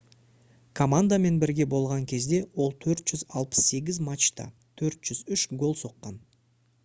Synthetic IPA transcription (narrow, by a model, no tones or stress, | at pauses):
kʰo̞mand̪ame̞nbɪɾɡʲe̞bo̞lˠʁɑŋkʲʰe̞zd̪e̞wo̞lˠt̪ʰɵɾt̪ʒ̥ʏzɑlˠpə̥sːe̞ɡʲɪzmat͡ʃt̪ɑ̰ | t̪ʰɵɾt̪ʒ̥ʏzʏʃɡo̞lˠso̞qːɑn